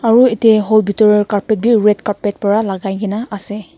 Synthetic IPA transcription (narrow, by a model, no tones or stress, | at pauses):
aɹuɛtɛɦɔlbitɔɹiɹkaɹpɛt̚biɹɛtkaɹpɛt̚pɔɹalaɡajɡinaʔasɛ